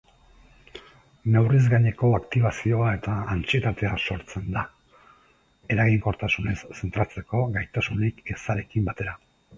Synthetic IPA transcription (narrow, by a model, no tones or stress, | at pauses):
ne̞wrizɣaɲe̞ko̞akt̪iβasio̞ae̞t̪aːnt͡sie̞t̪at̪e̞aso̞ɾt͡se̞nd̪a | e̞ɾaɣiŋko̞ɾt̪asune̞sːe̞nt̪ɾat͡se̞ko̞ɣajt̪asunikesaɾe̞kimbat̪e̞ɾa